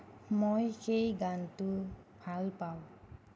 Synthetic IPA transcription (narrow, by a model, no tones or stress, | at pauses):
mojxejɡantʊ | bʱalpaw